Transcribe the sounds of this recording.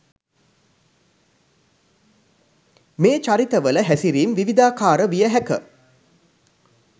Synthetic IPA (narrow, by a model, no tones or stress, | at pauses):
meːt͡ʃaɾit̪əʋələɦæsiɾiːmʋiʋid̪aːkaːɾəʋijəɦækə